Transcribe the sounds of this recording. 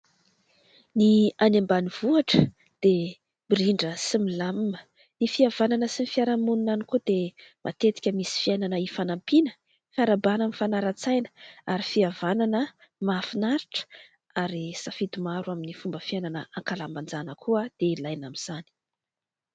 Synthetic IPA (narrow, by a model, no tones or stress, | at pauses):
nianambaniv̥uaʈ͡ʂə | d̪̥e | biɾiɳɖ͡ʐəsimilammə | nifiavananəsinifiaɾamununanikud̪emʔa̰t̪et̪i̥kʲəmisi̥fiajnanəifanampinə̥ | faɾabanamifanaɾat͡sajnə̥aɾifiavananə | mafinaɾiʈ͡ʂə̥ | aɾisafit̪umaɾuaminifumbəfiananəaŋkalamband͡zanəkʰuad̪̥eilajnamiz̥ani̥